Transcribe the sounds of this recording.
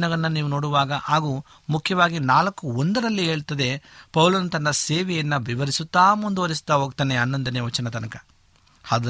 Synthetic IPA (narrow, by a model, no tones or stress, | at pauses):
nɐɡɐnːɐniːʋuno̞ːɽuʋaːɡɐʔaːɡuː | mukʰjɐʋaːɡinaːlɐkːuond̪ɐɾɐlːiɦe̞ːɭt̪ɐd̪e̞pɐwlɐnut̪ɐnːɐseːʋɛjɐnːɐʋiʋɐɾisut̪ːaːmund̪uʋɐɾis̬u̥t̪ːaɦoːɡ̚t̪ɐneɐnːɐnd̪ɐneʋɐt͡ʃɐnɐt̪ɐnɐkɐ | haːd̪